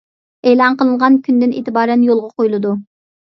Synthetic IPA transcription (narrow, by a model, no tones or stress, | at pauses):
elˠɑnqəlˠɨɴʁɑnkʲynd̪ɪnḛːt̪ɨbɑːɾɛnjolˠʁɑqʰojlˠɨd̪u